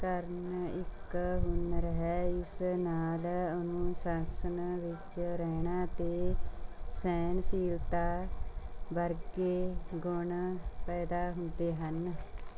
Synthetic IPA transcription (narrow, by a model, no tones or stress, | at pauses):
kəɾnɪkɦʊnɾəɦɛːɪsnaːlʊnũːsaːsənʋɪt͡ʃɾɛːɳaːt̪eː | sɛːnsiːlt̪aː | bəɾɡeːɡʊɳpɛːd̪aːɦʊnd̪eːɦən